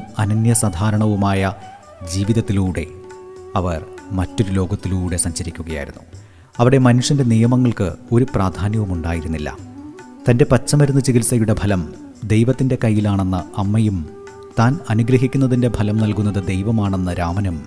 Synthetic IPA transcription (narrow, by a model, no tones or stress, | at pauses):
ɐnɐnjɐsɐd̪ʱaːɾɐɳɐʋumaːjɐ | d͡ʑiːʋiðɐt̪ːiluːɽe̞̰ɐʋɐrmɐtːo̞ɾulo̞ːɡɐt̪ːiluːɽe̞sɐɲɕɐɾikʲːuɣɐja̰ːjiɾunːu | ɐʋiɽe̞mɐnuʂjɐnde̞nijɐmɐŋːɐɭkɨ̰o̞ɾupraːd̪ʱaːnjɐʋumuɳɖaːjiɾunːilːɐ̰ | t̪ɐnde̞pɐt͡ɕːɐmɐɾunːut͡ɕikɡilsɐjuɽe̞bʱɐlɐm | d̪e̞jʋɐt̪ːinde̞kɐjːilaːɳe̞nːɐɐmːɐjum | t̪aːnɐnuɡɾɐɦikʲːunːɐðinde̞bʱɐlɐmnɐlkunːɐðɨd̪e̞jʋɐmaːɳe̞nːɐɾaːmɐnɐm